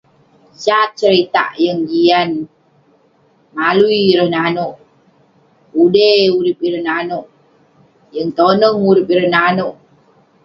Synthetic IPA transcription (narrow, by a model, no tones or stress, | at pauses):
d͡ʒat̪̚t͡ʃəɾit̪a̰ʔjəŋd͡ʒian | maluiːɾəhnanoʔ | udeuɾɪp̚iɾəhnanoʔ | jəŋt̪onəŋuɾɪpiɾəhnanoʔ